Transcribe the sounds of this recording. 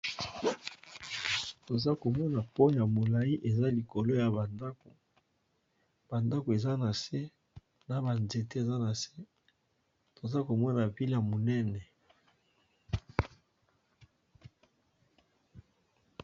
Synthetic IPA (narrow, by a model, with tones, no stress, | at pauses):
to˨za˦ko˨mɔ˦na˨po˦ja˨mo˨la˨i˦ʔe˨za˦li˨ko˨lo˦ja˨ba˨nda˦ko˨ | b̥a˨nda˦ko˨e˨za˦na˨se˦ | na˨ba˨nze˨te˦e˨za˦na˨se˦ | to˨za˦ko˨mɔ˦na˨vi˦la˨mo˨nɛ˦nɛ˨